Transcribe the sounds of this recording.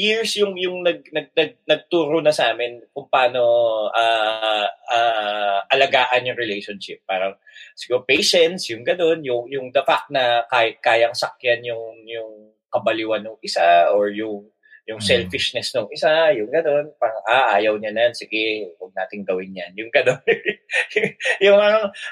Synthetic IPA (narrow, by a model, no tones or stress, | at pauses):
jiɹsjʊŋjʊŋnɐɡ̚nɐɡ̚nɐɡ̚nɐɡ̚t̪uːɾonɐsɐʔaːmɪnkʊŋpɐaːno̞ʔa | aʔɐlɐɡaːʔɐnjʊŋɹɪlejʃonʃɪp̚ːaːɾɐŋ | sɪɡuɾpɛjʃɛnt̪sjʊŋɡɐno̞njʊŋjʊŋd̪ɐfak̚t̪̚nɐkaːjɪt̪̚kaːjɐŋsɐk̚janjʊŋjʊŋ | kɐbɐliwɐnːʊŋʔɪsaʔoɹjʊŋ | jʊŋsɛlfɪʃnɛsnʊŋʔɪsajʊŋɡɐno̞npɐŋʔaʔaːjɐwɲɐnɐansɪɡɛwɐɡ̚naːt̪ɪŋɡɐwɪnɲɐnjʊŋɡɐno̞njʊjʊŋɐo